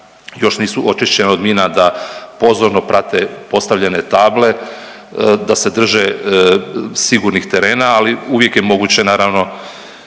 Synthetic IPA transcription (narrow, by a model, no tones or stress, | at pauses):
jo̞ʃniːsuʔo̞t͡ʃiʃt͡ɕe̞neo̞d̪miːnad̪apo̞zoɾno̞pɾʔat̪epo̞st̪aʋʎene̞t̪aːble̞ | d̪ase̞d̪r̩ʒe | siɡuɾnixt̪e̞ɾeːnaːliuʋje̞kjemo̞ɡut͡ɕe̞naːɾaʋno̞